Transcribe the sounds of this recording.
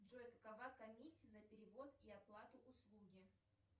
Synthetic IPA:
ʐojkəkɐvakɐmʲisʲːijəzɐpʲɪɾʲɪvot̪iɐplˠat̪ʊʔʊslˠuɡʲɪ

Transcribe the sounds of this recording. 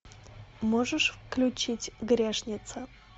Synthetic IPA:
moʐəʂfklʲʊt͡ɕitʲɡɾʲeʂnʲɪt̪sə

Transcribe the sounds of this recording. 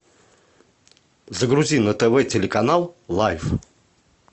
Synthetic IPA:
zəɡɾuzʲinət̪ɛvɛtʲelʲekanalˠlˠajf

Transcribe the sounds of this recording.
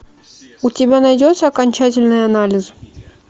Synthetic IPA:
ʊtʲɪbʲanɐjdʲot̪səɐkɐnʲt͡ɕætʲɪlʲnɨjɐnalʲɪs

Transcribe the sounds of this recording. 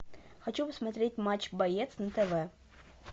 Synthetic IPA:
xɐt͡ɕupəsmɐt̪ɾʲet̚ʲmat͡ɕbɐjɛt̪snɐt̪ɛvɛ

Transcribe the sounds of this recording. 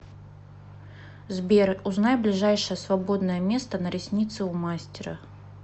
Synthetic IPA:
zbʲerʊznajʲblʲɪʐajʂəjəsvɐbo̞d̪nəjəmʲe̞st̪ənəɾʲɪsʲnʲit̪sɨʊmasʲtʲɪɾə̰

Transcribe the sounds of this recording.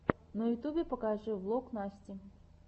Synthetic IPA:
nɐjʊt̪ubʲɪpɐkaʐɨvlˠoknasʲtʲɪ

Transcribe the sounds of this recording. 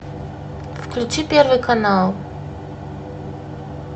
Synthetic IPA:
vklʲut͡sipjeɾvekanaw

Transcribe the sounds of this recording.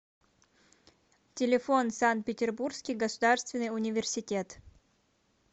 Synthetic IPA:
tʲɪlʲɪfo̞nsant̪̚pʲɪtʲɪrburskʲijɡəsʊd̪arst̪vʲɪnːɨjʊnʲɪvʲɪrsʲɪtʲet̪

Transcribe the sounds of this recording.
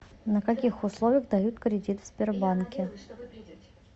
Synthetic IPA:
nəkɐkʲixʊslˠovʲɪjəɣd̪ɐjut̪kɾʲɪdʲit̪fsʲpʲɪrbankʲɪ

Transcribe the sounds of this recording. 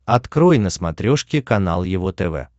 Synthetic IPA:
ɐt̪kɾojnəsmɐt̪ɾʲoʂkʲɪkɐna̰lˠjɪvot̪ɛvɛ̰

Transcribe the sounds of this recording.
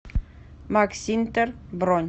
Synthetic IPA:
maksint̪əɾbɾɔnʲ

